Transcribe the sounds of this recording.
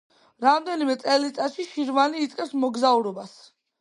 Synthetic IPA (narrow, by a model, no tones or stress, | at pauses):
ɾamd̪ɛnimɛt̪sʼɛlit̪sʼat̪ʃiʃiɾvaniːt̪sʼqʼɛpsmɔɡzauɾɔbas